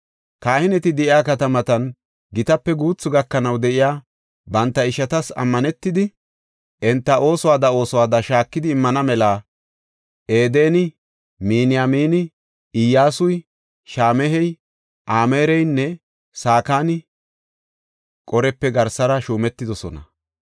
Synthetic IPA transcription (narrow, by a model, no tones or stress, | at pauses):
kaːhɪnɛt̪ɪd̪ɛʔɪjaːkɐt̪ɐmɐt̪ɐn | ɡɪt̪ɐpːɛɡuːt͡sːʊɡɐkːɐnɐwd̪ɛʔɪjaː | bɐnt̪ːɐɪʃɐt̪ɐsɐ̰mːɐnɛt̪ːɪd̪ɪ | ʔɛnt̪ːɐʔo̞ːsɔwaːd̪ɐo̞ːsɔwaːd̪ɐʃaːkːɪd̪ɪːmːɐnɐmɛlaː | ʔeːd̪e̞ːnɪ | miːnɪjamiːnɪ | ɪjːaːsʊj | ʃaːmɛɦɛj | ʔaːme̞ːɾɛjnːɛ | saːkaːnɪ | kʼɔɾɛpːɛɡɐɾsɐɾɐʃuːmɛt̪ːɪd̪ɔsɔ̰nɐ̰